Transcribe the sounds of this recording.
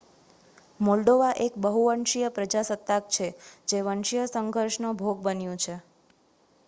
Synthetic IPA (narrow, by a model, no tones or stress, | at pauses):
molɖoʋaʔekbəɦuʋəɳʃijəpɾəd͡ʒasət̪ːak̚t͡ʃʰed͡ʒeʋəɳʃijəsəŋɡʱəɾʃnobʱoɡ̚bənjũt͡ʃʰe